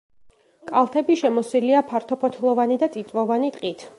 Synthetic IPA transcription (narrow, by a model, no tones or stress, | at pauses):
kʼalˠt̪ʰɛbiʃɛmɔsiliapʰaɾt̪ʰɔpʰɔt̪ʰlˠɔvanid̪at̪ʼit̪ʼvɔvanit̪ʼqʼit̪ʰ